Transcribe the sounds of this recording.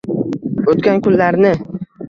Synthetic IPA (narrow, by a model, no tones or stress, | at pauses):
ot̪kʲankʲʰʊnlaɾnɪ